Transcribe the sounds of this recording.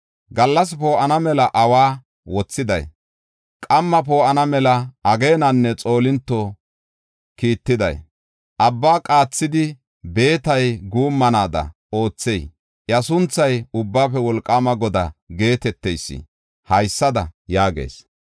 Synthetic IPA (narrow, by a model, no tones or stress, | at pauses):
ɡɐlːɐs̬po̞ːʔɐnɐmɛlɐʔɐwaː | wɔt͡sːɪd̪ɐ̰j | kʼɐmːɐp̬o̞ːʔɐnɐmɛlɐɐɡe̞ːnɐnːɛt͡sʼo̞ːlɪnt̪ːɔ | kiːt̪ːɪd̪ɐ̰j | ʔɐbːaːkʼaːt͡sːɪd̪ɪ | be̞ːt̪ɐjɡuːmːɐnaːd̪ɐ̰ | o̞ːt͡sːej | ʔjɐsʊnt͡sːɐjʊbːaːpɛwɔlkʼːamɐɡɔd̪ɐɡe̞ːt̪ɛt̪ːɛjsːɪ̰ | hɐjsːɐd̪ɐjaːɡḛːs